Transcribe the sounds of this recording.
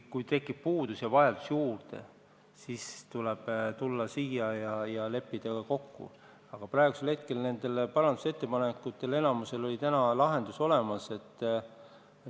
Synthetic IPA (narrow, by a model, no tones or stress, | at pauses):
kujt̪e̞kːˑib̥̚puːd̪̥usjɑvɑjɑld̪̥usjuːrd̪̥e̞̰ | sist̪uleb̥t̪ulːɑsiːjɑjɑjɑle̞pːid̪̥ɑkɑko̞kːṵ | ɑɡ̥ɑprɑˑeɡ̥use̞lhe̞t̪̚ke̞lne̞nd̪̥e̞lpɑɾɑnd̪̥u̥set̪ːe̞pɑnekːˑut̪ːˑe̞le̞nɑmuse̞lo̞lʲit̪ænɑlɑɦe̞nd̪̥uso̞le̞mɑse̞t̪ː